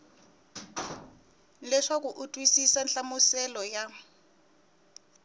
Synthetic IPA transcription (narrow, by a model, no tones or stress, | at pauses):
lɛʂak̬uʔutʼwisisanɬamusɛlɔja